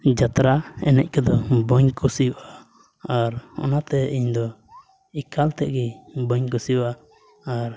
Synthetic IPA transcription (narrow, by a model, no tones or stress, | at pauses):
d͡ʒat̪ɾaɛnɛc̚kɛd̪ɔbɔɲkusiʔa | aɾɔ̰nat̪ɛiɲd̪ɔ | ikalt̪ɛʔɡɛbɔɲkusiʔaː | ɾ